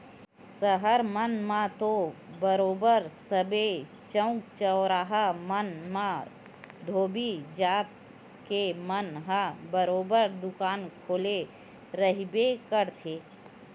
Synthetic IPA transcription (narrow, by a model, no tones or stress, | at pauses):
səɦəɾmənmãt̪obəɾoːbəɾsəbe | t͡ʃə̃ʊ̃kt͡ʃəʊɾaːɦəmənmã | d̪ʱoːbid͡ʒaːt̪̚ | kemənɦãbəɾoːbəɾd̪ʊkaːnkʰoːle | ɾəɦibekəɾt̪ʰeː